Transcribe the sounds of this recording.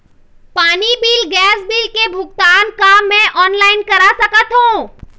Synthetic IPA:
paːnibiːlɡɛːsbiːlkebʱʊkt̪aːnkamɛ̃ʔɔːnlaːɪnkɐɾasɐkət̪ɦũː

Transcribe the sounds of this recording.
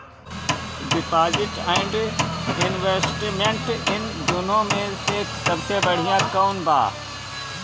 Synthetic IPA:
ɖɪpaːzɪʈɛ̃ɪɳɖɪnʋeːsʈimẽɳʈɪnd̪ʊnõmẽheːksɐbsebɐɽ̤ijãkəunba̰ː

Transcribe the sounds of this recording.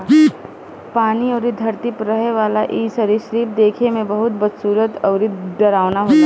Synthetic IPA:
paːniɔːɾid̪ʱɐɾt̪ipɾɐɦeʋaːlaʔiːsɐɾiʃɾiːp̚d̪eːkʰemẽbɐɦʊt̪bɐd̪suːɾət̪ɔːɾiɖɐɾaːʋnaɦoːt̪a

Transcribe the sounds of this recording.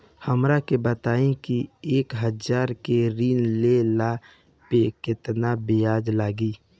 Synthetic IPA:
həmɾakebət̪aːĩkieːkɦəd͡ʒaːɾkeɾiːnlela | pekɪt̪nabijaːd͡ʒlaːɡiː

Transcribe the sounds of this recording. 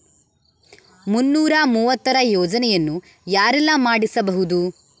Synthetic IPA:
munːuːɾɐmuːʋɐt̪ːɐɾɐjɔːd͡ʒɐnɛjɐnːu | jaːɾɛlːɐmaːɽisɐbɐɦud̪u

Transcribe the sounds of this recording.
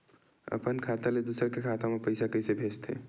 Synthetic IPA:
ə̰pənkʰat̪aled̪usəɾkekʰat̪amepəɪsakəsebʱet͡ʃt̪ʰḛ

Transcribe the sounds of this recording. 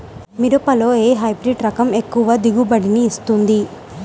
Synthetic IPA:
miɾopɐloːeːɦɐjbɾiɖɾɐkɐme̞kːuʋɐd̪iɡubɐɽiniːst̪und̪i

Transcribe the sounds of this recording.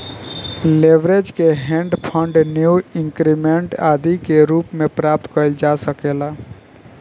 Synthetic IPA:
leʋɾed͡ʒkeɦẽɳɖpʰə̃ɳɖnjuĩŋkɾimeɳʈad̪ikeɾuːpmẽpɾap̚t̪kəɾld͡ʒasəkela

